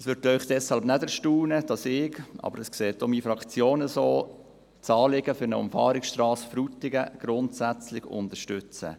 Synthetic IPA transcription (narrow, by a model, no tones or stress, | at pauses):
ɛsʋʏɾtœʏχd̥ɛshɑlbnɛdəʃtuːnəd̥ɑsɪːɡʔɑ̰ːbəɾɛskseːtːomiːfɾɑkt͡sjoːnəsoː | t͡sɑːlɪɡəfʏɾnə̰ʊ̰mfɑ̰ːɾɪksʃtrɑːsfɾutɪɡəɡ̥ɾʊntsæt͡slɪçʊ̰ndəɾʃtʏt͡sə̰